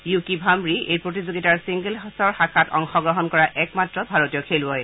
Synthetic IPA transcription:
jukibʱambɹiejpɹotizoɡitaɹsiŋɡelsɔɹxakʰatɔ̰ŋxɔɡɹɔɦɔnkɔɹaʔɛkmatɹɔbʱaɹotijɔkʰelɔj

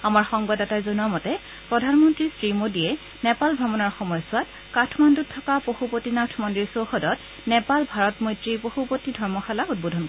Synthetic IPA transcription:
amaɹxɔŋbadɛtajzɔnuamɔtɛ | pɹɔdʱanmɔntɹisɹimodijɛ | nɛpalbʱabɔnɔɹxɔmɔjsʊat̚ | katʰmanduttʰːɔkapoxupotinatʰmɔndɹiɹsowxɔdɔt | nɛpalbʱaɹɔtmɔjtɹipoxupotidʱɔɹmɔxalaut̚bodʱɔnkɔ

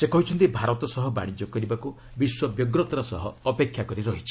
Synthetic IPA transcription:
sekɔɦit͡ʃʰɔnt̪ibʱaɾɔt̪ɔsɔɦɔba̰ɽ̃id͡ʒɔkɔɾibaku | biswɔbjɔɡɾɔt̪ɔɾɔsɔ̰ɦɔːpekʰjakɔɾiɾɔɦit͡ʃʰi̥

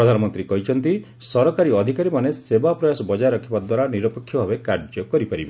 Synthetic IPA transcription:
ɾɔd̪ʱanɔmɔnt̪ɾikɔɦit͡ʃʰɔnt̪i | sɔɾɔkaɾiɔd̪ʱikaɾimanesebapɾɔjasɔbɔd͡ʒajɾɔkʰibad̪waɾaniɾɔpɔkʰːjɔbʱabekaɾd͡ʒɔkɔɾipaɾibe

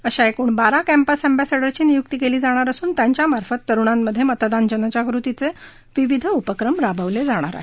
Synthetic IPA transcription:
əɕaekuːɳbaɾakɛmpasɛmbæseɖəɾt͡ɕiːnijuk̚t̪iːkeliːd͡zaɽ̃aɾəsuːnt̪jaɲt͡ɕjamaɾfət̪ːəɾuɳ̃anːəd̪ʱjemət̪d̪and͡ʑənət͡ɕaɡɾut̪it͡se | ʋiʋid̪ʱəupəkɾəmɾabʱəʋled͡zaɽ̃a̰ɾa̰ɦe

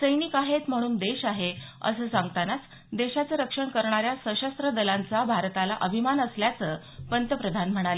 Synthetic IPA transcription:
səjnikaɦet̪m̤əɽ̃uːnd̪eɕaɦeə̰səːsãŋɡt̪anat͡s | d̪eɕat͡səɾəkʂəɳkəɾɳ̃aɾjasəɕəst̪ɾəd̪əlant͡sabʱaɾt̪alaʔəbʱimanəsljat͡səː | pənt̪əpɾəd̪ʱanm̤əɽ̃alə

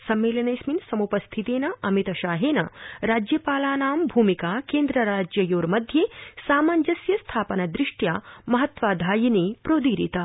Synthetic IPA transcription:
sɐmːeːlɐnɐːsminsɐmupɐst̪ʰit̪eːnɐʔɐmit̪ɐʃaːɦeːnɐ̰ɾaːd͡ʒjɐpaːlaːnaːmbʱuːmikaːkeːnd̪ɾɐɾaːd͡ʒjɐjoːɾmɐd̪ʱjeːsaːmaːnd͡ʒɐsjɐst̪ʰaːpɐnɐd̪ɾiʂʈjaːmɐɦɐt̪ʋaːd̪ʱaːjineːpɾoːd̪iːɾḭt̪ɐ

